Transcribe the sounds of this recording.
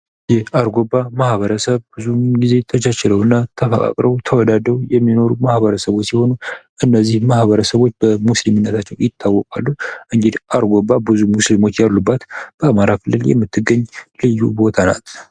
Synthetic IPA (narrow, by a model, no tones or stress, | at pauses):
jɛhaɾɡobːamahβəɾəsəβbɨzuɡize̞t̪ʰət͡ʃət͡ʃɛləwɨnːat̪ʰəfəkʼa̰kʼɾəwt̪ʰəwɔd̪ad̪əwjɛmːino̞ɾumahβəɾəsəβo̞t͡ʃːsiho̞nuʔɨnːəzːihmahβəɾəsəβo̞t͡ʃːbəmuslimɨnːət̪ʰat͡ʃːɛwjɪt̪ʰːawːɔkʼa̰lːuʔɨŋɡed̪ʔaɾɡobabɨzumuslimo̞t͡ʃːjalːubːat̪b̥əamaɾakʰɨlːɨljɛ̰mːɨt̪ʰːɨɡəɲːlɨjːubo̞t̪ʰana̰t̪